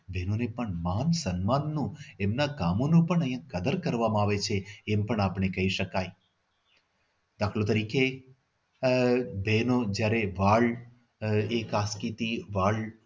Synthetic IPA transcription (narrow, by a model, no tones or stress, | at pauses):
bʱenonepəɳmansənmanːũemnakamonũpəɳəj̃ãkəd̪əɾkəɾʋamãaʋet͡ʃʰeːmpəɳapɳ̃ekəɦiʃəkaj | d̪akʰlõt̪əɾike | bʱenod͡ʒjaɾeʋaɭ | ekaskit̪iʋaɭ